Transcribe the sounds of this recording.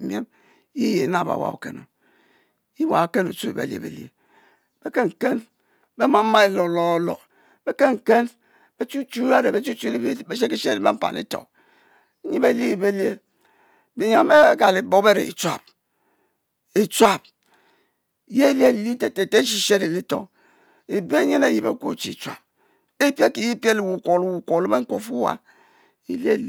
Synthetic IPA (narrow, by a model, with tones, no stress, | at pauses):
mje˦m | i˦je˨˦na˦˨ba̰˨wa̰˨ṵ˨kḛ˨no̰˨ | i˦wa˨ke˦nṵ˨t͡su˦ḭ˨bḛ˨ljḛ˨bḛ˨ljḛ˨ | b̥e˦ke˦ŋ̩˨ke˦n | be˦ma˦m̩˦ma˦e˦lo˨lɔ˦lo̰˨ | be˦ke˦ŋ̩˨ke˦n | be˦t͡ʃu˦t͡ʃu˦a˦ɾe˨be˨t͡ʃu˦t͡ʃu˦li˦i˦be˦ʃ̬e˦ki˦ʃe˦ɾi˨bḛ˦m̩˦pa̰˨nḭ˦to̰˨˦ | ɲi˦be˦li˦i˨be˦lje˦ | bi˨ɲa˨˦e˦ka˨li˨bo˦be˦ɾḛ˨ḭ˨t͡ʃwa̰˨p̚ | i˨t͡ʃwa˨p̚ | je˦lje˦˨li˦te˨te˨te˦ʃi˦ʃe˦ɾi˨li˦to̰˨ | e˨be˦ɲe˦ne˨ji˨bḛ˨˦ko̰˦˨t͡ʃḭ˨t͡ʃʷa̰˨p̚ | e˦pje˦ki˨ji˦pje˦li˨wu˨ko˨lu˨wu˨ko˨li˦be˦ŋ̩˦ko˨fu˦wa̰˨ | ḭ˦lje˦˨˦